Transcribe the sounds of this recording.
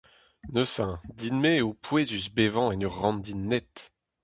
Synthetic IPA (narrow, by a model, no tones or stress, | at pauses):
nøsɛ̃d̪inmeopʰwezysbevɑ̃ɛnyʁɑ̃nd̪inːɛt̪